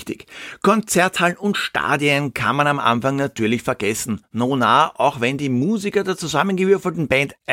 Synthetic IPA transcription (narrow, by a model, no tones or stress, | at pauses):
tɪçkʰɔnt͡sɛɐthalnʊntʃta̰ːdiənkʰa̰nmanamʔa̰nfaŋnatyːɐlɪçfɛɐɡɛsn̩noːnaːʔaʊxvɛndiːmuːzikɐdeːɐt͡suzamənɡəvʏɐfl̩tn̩bɛntʔ